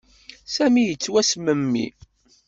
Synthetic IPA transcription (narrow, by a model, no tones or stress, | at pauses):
sæmijət͡sːwæsməmːḭ